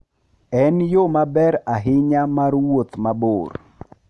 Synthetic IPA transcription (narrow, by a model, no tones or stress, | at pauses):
ɛnjomabɛɾaɦɪɲamarwot̪mabor